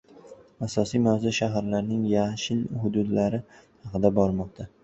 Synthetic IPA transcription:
asɒsijmawzaʃaɦaɾlaɾnɪŋjaʃɪlhʊd̪ʊd̪laɾɪhɑqʰɨd̪abɒɾmɒq̚t̪ʰa

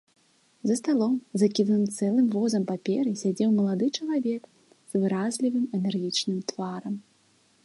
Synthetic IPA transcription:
zɐst̪alˠɔmzɐkʲid̪nɨmt̪sɛlˠɨmvɔzɐmpapʲɛɾɨsʲad͡zʲɛwmɐlˠad̪ɨt͡ʂɐlˠavʲɛk | z̥vɨɾazʲlʲivɨmɛnɛrɣʲit͡ʂnɨmt̪vaɾɐm

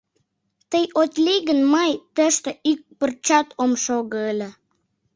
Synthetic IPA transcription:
t̪əjot̪ʲliɣə̆nmɑjt̪ə̆ʃt̪ə̆ʔyk̚pə̆rt͡ɕɑt̪omʃoɣələ̆

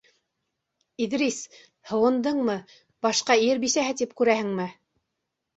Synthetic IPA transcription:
iðɾis | hɤ̆wɤ̆nd̪ɤɴmɤ | b̥ɑʃqɑiɾbisæhɘt̪ipkʉɾæhɘ̆ŋmɘ

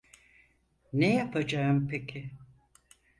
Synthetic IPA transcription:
nejapʰad͡ʒaɯmpʰecʰɪ

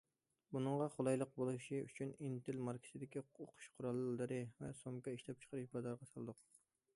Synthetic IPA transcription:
bunɨɴʁɑχolˠɑjlˠəq̚bolˠuʃiy̰t͡ʃʰynint̪ʰɪlmɑɾkʲʰi̥sɪd̪ɪkʲioqʰʊ̥ʃqʰʊɾɑlˠːɨɾɨvɛsomkɑiʃlɛp̚t͡ʃʰə̥qʰəɾɨʃbɑzɑɾʁɑsɑlˠɨd̪ʊq

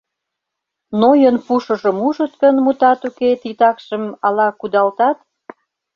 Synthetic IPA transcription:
nojənpuʃə̆ʒə̆muʒə̆t̪̚kənmut̪ɑt̪uket̪it̪ɑkʃə̆mɑlɑkud̪ɑlt̪ɑt̪

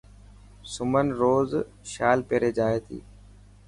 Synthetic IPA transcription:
sʊmənɾoːz | ʃaːlpeːɾeːd͡ʒaːeːt̪ʰḭː

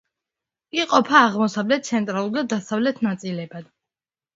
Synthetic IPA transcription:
kʼiqʼɔpʰaːʁmɔsavlɛt̪̚t̪sʰɛnt̪ʼɾalˠuɾd̪ad̪asavlɛt̪ʰnat̪sʼilɛbad̪̥

